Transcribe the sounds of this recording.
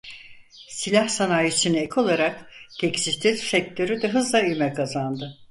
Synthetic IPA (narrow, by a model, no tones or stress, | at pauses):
silʲahsanaːjisynekʰo̞lˠaɾakɟ̥ecsist̪ʰit̪sɛc̚t̪ʰø̞ɾyd̪ɛɦɯzlˠayjmɛkʰazand̪ɯ